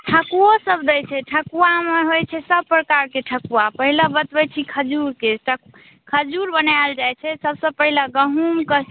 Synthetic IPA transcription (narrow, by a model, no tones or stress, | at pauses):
ʈʰəkuosəbd̪əjt͡ʃʰɛʈʰəkuameɦojt͡ʃʰɛsəb̚pɾəkaɾkeʈʰəkuapəɦilabət̪bɛt͡ʃʰikʰəd͡ʒuɾkeʈʰə | kʰəd͡ʒuɾbənald͡ʒajt͡ʃʰɛsəbsəbpəɦilaɡəɦumkə